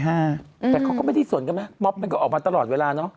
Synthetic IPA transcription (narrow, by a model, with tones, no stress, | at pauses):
ɦaː˥˩ɛː˨˩ka˦˥wkɔ˥˩a˥˩da˧˥˩su˨˩ənka˧nma˦˥mɔ˦˥p̚ma˧nkɔː˥˩ʔɔː˨˩k̚mː˧t̪a˧lɔː˨˩t̪̚weː˧laː˧nɔ˦˥ʔ